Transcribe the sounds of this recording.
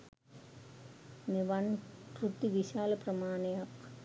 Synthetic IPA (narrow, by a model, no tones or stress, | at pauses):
neʋankɾut̪ːiʋiɕaːlɐprɐmaːnɐjak